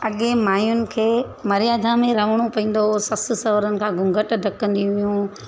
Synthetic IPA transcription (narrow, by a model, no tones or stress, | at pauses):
ɐɠẽmaːjʊnɪ̆kʰeː | mɐɾijaːd̪ʱãmẽɾɐʋ̤əɽ̃opɐĩːn̆d̪osɐs̆sɐʋɾənɪ̆kʰãːɡʊ̃ŋɡʱəʈd̪ʱɐkə̃nd̪ĩɦʊjũ